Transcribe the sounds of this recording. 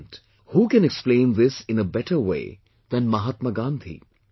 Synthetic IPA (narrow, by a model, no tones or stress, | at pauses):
nt | huːkɛ̃nɛksplẽɪ̃nðɪsɪ̃nəbɛʈəwḛɪ | ðə̃nmɐɦat̪̚məɡãnd̪ʰʱḭ